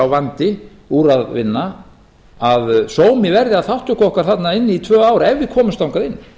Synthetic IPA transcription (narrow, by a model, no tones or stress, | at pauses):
awvant̪ɪ | uɾaðvɪ̰nːa | aðsoːwmɪvɛɾðɪaðθawht̪ʏhkɔhkaɾ̥θat̪naɪnːɪit̪ʰvœːaːwɾaɛvːɪkʰɔːmʏst̪awŋkaɾɪnː